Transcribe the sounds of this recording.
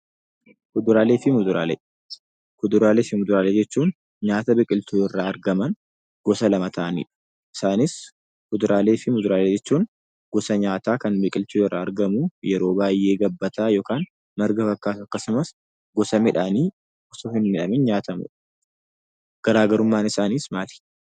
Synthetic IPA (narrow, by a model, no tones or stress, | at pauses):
kʊd̪ʊɾaːleːfɪmʊd̪ʊɾa̰ːlḛː | kʊd̪ʊɾaːleːfɪmʊd̪ʊɾaːleːd͡ʒɛt͡ʃːuːn | ɲaːt̪ɐbɪkʼɪlt̪uːɪrːaːɐɾɡɐmɐn | ɡ̥ɔsɐlɐmɐt̪ʰɐʔɐnḭːᶑɐ̥ | ʔɪ̥saːnɪs | kʊd̪ʊɾʔaːleːfɪmʊd̪ʊɾaːleːd͡ʒɛt͡ʃːuːn | ɡ̥ɔsɐɲaːt̪aːkɐnbɪkʼɪlt̪uːɪrːa̰ːɾɡɐmujɛɾo̞ːbaːjʔe̞ːɡɐbːɐt̪aːjo̞ːkaːn | mɐɾɡɐfɐkːaːt̪ʊɐkːɐsʊmɐs | ɡɔsɐmɪᶑani̥ː | ɔsoːhɪnmɪᶑɐmɪnɲaːt̪ɐmʊ̰ᶑ | ɡ̥ɐɾaːɡɐɾʊmːaːnɪsaːniːsmaːt̪i̥ː